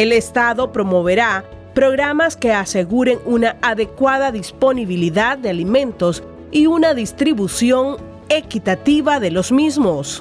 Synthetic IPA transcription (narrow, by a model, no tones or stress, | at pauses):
e̞le̞st̪aðo̞pɾo̞mo̞β̞e̞ɾa | pɾo̞ɣɾamaske̞ase̞ɣuɾe̞ŋunaaðe̞kwaðaðispo̞niβ̞iliðad̪̚d̪ealimẽ̞nt̪o̞s | iunaðist̪ɾiβusjo̞ŋ | e̞kit̪at̪iβaðe̞lo̞zmizmo̞s